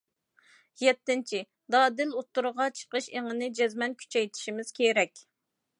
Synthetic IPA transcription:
jɛt̪ːɪnt͡ʃʰi | d̪ɑːd̪ɪlot̪ːuɾəʁɑt͡ʃʰə̥qəʃeŋɪnɪd͡ʒɛzmɛnkʲʰy̥t͡ʃʰɛjt̪ʰɪ̥ʃimɪz̥kʲʰeɾɛkʲ

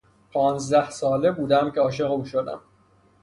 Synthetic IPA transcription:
pʰɒːnzd̪æhsɒːle̞buːd̪æmcʰeɒːʃ̬e̞ɣuːʃod̪æ̰m

